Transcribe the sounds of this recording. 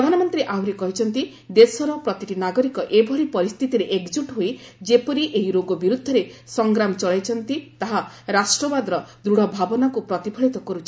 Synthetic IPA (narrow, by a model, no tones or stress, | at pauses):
pɾɾɔd̪ʱanɔmɔnt̪ɾiʔawɾekɔɦit͡ʃʰɔnt̪i | d̪esɔɾɔpɾɔt̪iʈinaɡɔɾikɔʔebʱɔɽipɔɾist̪ʰit̪iɾeʔekd͡ʒuʈɦojd͡ʒepɔɾiʔeɦiɾoɡɔbiɾud̪ʱːɔɾesɔŋɡɾamɔt͡ʃɔɭajt͡ʃʰɔnt̪it̪aɦa | ɾasʈɾɔbad̪ɾɔd̪ɾuɽ̤ɔbʱabɔnakupɾɔt̪ipʰɔɭit̪ɔkɔɾut͡ʃʰi